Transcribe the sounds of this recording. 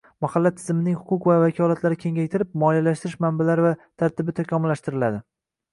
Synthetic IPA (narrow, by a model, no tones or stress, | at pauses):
mahalːat̪ʰɪ̥zmɪnɪŋhʊqʰʊqvavakʲʰɒlat̪laɾɪkʲʰe̞ŋʲajʲt̪ʰɪɾɪp̚mɒjalaʃt̪ɪɾɪʃmambalaɾɪvat̪ʰaɾt̪ʰɪbɪt̪ʰakʰʲɒmʊlːaʃt̪ɪɾɪlad̪ɪ